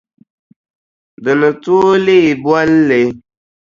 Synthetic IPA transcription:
də˨nə˨tu˦le˦i˨bwa˦lːe˨

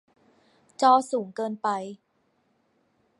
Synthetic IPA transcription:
t͡ɕɔː˧suː˩˦ŋkɤː˧npa˧j

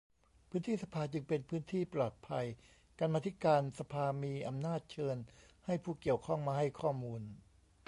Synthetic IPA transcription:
pʰɯː˦˥nt̪ʰiː˥˩sa˧pʰaː˧t͡ɕɯ˧ŋpe˧npʰɯː˦˥nt̪ʰiː˥˩plɔː˨˩t̪̚pʰa˧j | ka˧nmaː˧t̪ʰi˦˥kaː˧nsa˧pʰaː˧miː˧ʔa˧mnaː˥˩t̪̚t͡ɕʰɤː˧nha˥˩jpʰuː˧˩ki˨˩əwkʰɔ˥˩ŋmaː˧ha˥˩jkʰɔː˥˩muː˧n

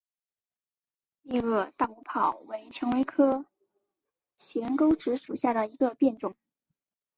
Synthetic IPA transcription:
ɛ˥˧ɤ˥˧t̪a˥˩u˧˥pʰɑ˨˩ʊwe˧˥ɪt͡ɕʰjɑ˧˥ŋwe˧˥ɪkʰɤ˥ | ɕɥɛ˧˥nko˥ʊʈ͡ʂɻ̩˧˥ʂu˨˩ɕja˥˩ɾə˩i˧˥ɡə˧pjɛ˥˧nʈ͡ʂʊ˥˩ŋ

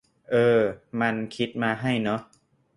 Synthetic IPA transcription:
ʔɤː˧ma˧nkʰi˦˥t̪̚maː˧ɦa˥˩jnɔ˦˥ʔ

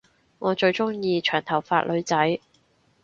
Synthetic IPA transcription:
ŋɔː˨˧t͡ʃɵ˧ɥt͡ʃʊ˥ŋjiː˧t͡ʃʰœː˨˩ŋt̪ʰɐ˨˩wfa̰ː˧t̚lʔɵ˨˧ɥt͡sɐ˨˥j

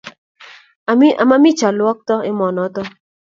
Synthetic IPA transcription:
mi˦a̰˨ma˦mi˦t͡ʃa˨lwɔ˦k̚tɔ˦ɪ˦mɔ˨nɔ˨˦tɔ˦

